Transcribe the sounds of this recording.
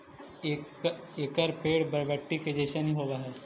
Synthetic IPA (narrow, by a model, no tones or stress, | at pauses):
eːkəɾpʰeːɽbɐɾʋɛʈːiked͡ʒeːʃənɦĩɦoːʋaɦɛː